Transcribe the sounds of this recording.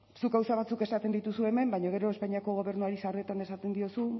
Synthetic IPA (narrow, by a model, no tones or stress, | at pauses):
sukawsaβat͡suke̞sat̪e̞nd̪it̪usue̞me̞mbajɲoɣ̞e̞ɾo̞e̞spaɲiako̞ɣ̞o̞β̞e̞ɾnuaɾisaoret̪ane̞sat̪e̞nd̪io̞su